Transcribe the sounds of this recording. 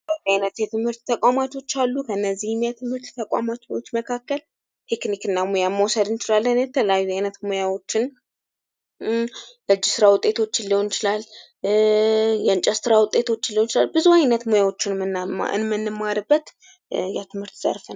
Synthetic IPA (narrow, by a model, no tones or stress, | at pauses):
əajnət̪jɛt̪ʰɨmhɨɾt̪t̪ʰːəkʷʼamat̪o̞t͡ʃːalːukʰəɨnːəzːihmjat̪ʰɨmhɨɾt̪t̪ʰəkʼʷa̰mat̪ʰot͡ʃːməkʰakːəl | t̪ʰe̞knikɨnːamojamːəwɔsəd̪ɨnt͡ʃɪlalːənjɛt̪ʰəlejajːuajnət̪mojawo̞t͡ʃːɪn | ləɨd͡ʒːɪsɨɾawʊt̪ʼe̞t̪ʰo̞t͡ʃːɪnlːiho̞nɪt͡ʃɪlal | jɛɨnt͡ʃʼəst̪ɨɾawʊt̪ʼːe̞t̪ʰo̞t͡ʃːɪnlːihont͡ʃɪlalbɨzuajnət̪mojawo̞t͡ʃːɪnmɨn̰ɨ̰nmɨnːɨmːaɾɨbːət̪ | jat̪ʰɨmhɨɾt̪z̥ə̰ɾfən